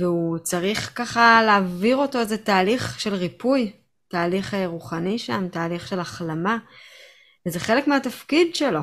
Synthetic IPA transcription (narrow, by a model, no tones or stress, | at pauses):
veut͡saʁiχkaχaleːviʁo̞to̞ezetaːliχʃe̞lʁipuj | taːliχeʁuχaniʃamtaːliχʃe̞laχlama | vezeχe̞le̞kmeatafkidʃe̞lo̞